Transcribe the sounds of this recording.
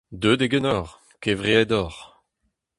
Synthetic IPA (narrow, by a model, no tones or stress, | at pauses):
d̪øːd̪eɡɛnɔʁ | kevʁeɛd̪ɔʁ